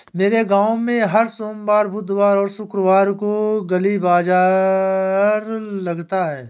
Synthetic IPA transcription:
meːɾeɡãːwmẽɦɐɾsoːmbaːɾbʊd̪ʱʋaːɾɔːɾʃʊkɾəʋaːɾkoɡɐlibaːzaː | ɾlɐɡt̪aɦɛː

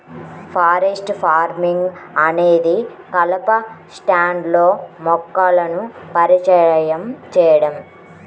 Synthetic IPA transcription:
pʰaːɾesʈpʰaːɾmiŋɡɐne̞ːd̪i | kɐlɐpɐsʈaːɳɖlo̞ːmɔkːaːlɐnupɐɾit͡ʃɐjɐmt͡ʃɛːjɐɽɐm

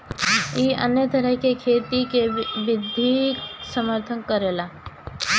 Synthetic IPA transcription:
iːɐ̰njət̪əɾəɦkekʰeːt̪ikeʋɪd̪ʱiksəməɾt̪ʰənkəɾelaː

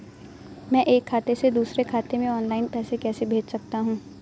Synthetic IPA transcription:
mɛ̃ːʔeːkʰːaːt̪esed̪uːsɾekʰaːt̪emẽɔːnlaːɪnpɛːsekɛːsebʱeːd͡ʒsɐk̚t̪aɦũː

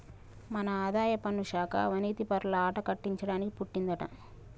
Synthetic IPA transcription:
mɐnɐaːd̪aːjɐpɐnːuʃaːkʰɐ̰ʋɐniːt̪ipɐɾlɐaːʈɐkɐʈːiɲt͡ʃɐɽaːnikipuʈːind̪ɐʈɐ̰m

